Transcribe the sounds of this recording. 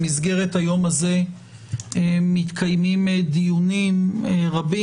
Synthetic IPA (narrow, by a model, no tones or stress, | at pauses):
izɡe̞ʁet̪hajo̞maze̞ | emit̪kʰajmimed̪ijunimeʁabi